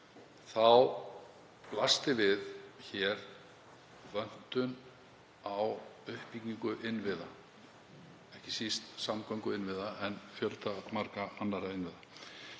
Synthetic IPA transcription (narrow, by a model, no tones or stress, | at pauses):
θaw | plast̪ɪvɪðçɛɾ | vœn̥t̪ʏn | awʏhpicɲiŋkʏʔɪnvɪða̰ | ɛhcɪsist̪samkʰɔjŋkʏɪnvɪðaɛnfjœlt̪amaɾkaanːaɾaɪnvɪða